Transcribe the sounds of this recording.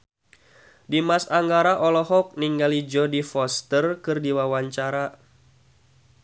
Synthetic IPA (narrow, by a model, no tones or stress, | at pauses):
dimasaŋɡaɾaʔɔlɔɦɔk̚niŋɡalid͡ʒɔdifɔst̪ərkɨrdiwawaɲt͡ʃaɾa